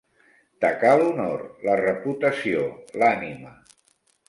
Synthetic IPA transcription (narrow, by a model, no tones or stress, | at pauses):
t̪əkaluno̰rlərəput̪əsiolanimə